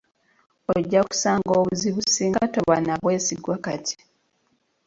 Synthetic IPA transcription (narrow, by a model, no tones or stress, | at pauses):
oɟːaku̥saːŋɡo̞ːβuziβusiːŋɡato̞βanaβwe̞ːsiɡwakatʰi̥